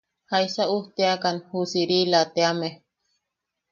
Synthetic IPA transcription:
hajsauht̪eakanhusiɾilat̪eame

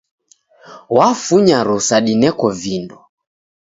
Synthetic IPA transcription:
wafuɲaɾusaɗinɛkɔvinɔ

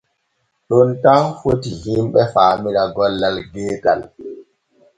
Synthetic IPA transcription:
ɗɔntafotihimɓɛfaːmiɗaɡɔlːalɡɛːta̰l

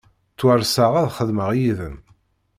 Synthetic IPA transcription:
t͡sːwəɾsəʁæðχəðməʁjiðən

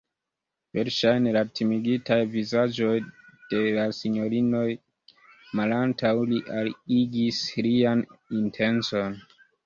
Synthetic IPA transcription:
ve̞ɾʃajnelatʰimiɡitajvizad͡ʒo̞jd̥e̞lasiɲo̞ɾino̞j | malantʰawliʔaliɡislianintʰe̞nt͡so̞n

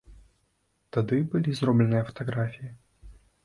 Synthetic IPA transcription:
t̪ad̪ɨbɨlʲizrɔblʲɛnɨjɐfɐ̥t̪aɣɾafʲiji

